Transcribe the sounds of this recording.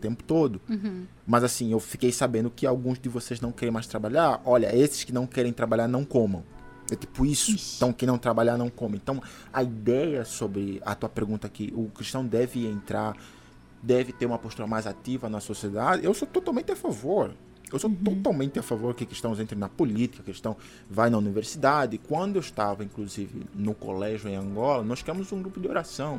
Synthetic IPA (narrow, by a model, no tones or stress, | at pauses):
t̪ẽmpʊ̥t̪od̪ʊ | mɐzasĩewfikejsabẽnd̪ʊkɪawɡũzd̪ɪvoseznɐ̃w̃kɛɾẽj̃majst̪ɾabaʎaɾɔʎɐ̰esɪ̥skɪnɐ̃w̃kɛɾẽj̃t̪ɾabaʎaɾnɐ̃w̃kõmɐ̰̃w̃ | ɛt̪i̥pʊisʊẽt̪ɐ̃w̃kẽj̃nɐ̃w̃t̪ɾabaʎanɐ̃w̃kõmɐ̃ẽt̪ɐ̃w̃ | ɐid̪ɛjɐsobɾɪɐ̰t̪uɐpeɾɡũnt̪ɐkɪʔʊkɾiʃt̪ɐ̃w̃d̪ɛvɪẽnt̪ɾaɾ | d̪ɛvɪt̪eɾũmɐpoʃt̪uɾɐmajzat̪ivɐnɐsosied̪ad̪ɪewsot̪ot̪awmẽnt̪ɪafavoɾ | ewsot̪ot̪awmẽnt̪ɪafavoɾd̪ʊkɪkɾiʃt̪ɐ̃w̃zẽnt̪ɾɪ̃nɐpolit̪i̥kɐkɾiʃt̪ɐ̃w̃ | vajnɐuniveɾsid̪ad̪ɪkwɐ̃nd̪ʊewʃt̪avɐĩkluzivɪ̰nʊko̰lɛʒjʊẽj̃ɐ̃ŋɡɔlɐnɔsʃkɾɐ̃mʊzũɡɾupʊd̪ɪoɾasɐ̃w̃